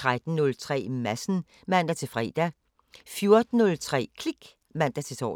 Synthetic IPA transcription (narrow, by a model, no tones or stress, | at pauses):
t͡sʰʁad̥n̩nɔ̽lt͡sʰʁɛ̰ːmæsn̩ | mæn̰d̥æt͡sʰe̝lfʁɛ̰ːd̥æ | fjo̝ɐd̥n̩ːɔ̽lt͡sʰʁɛ̰ːkʰliɡ̥ | ʋæn̰d̥æt͡sʰe̝t͡sʰɒ̰ː